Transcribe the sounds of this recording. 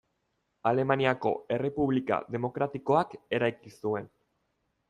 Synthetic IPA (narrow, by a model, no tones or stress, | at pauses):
ale̞maniako̞̰e̞re̞puβlika̰ðe̞mo̞kɾat̪iko̞ake̞ɾajkisue̞n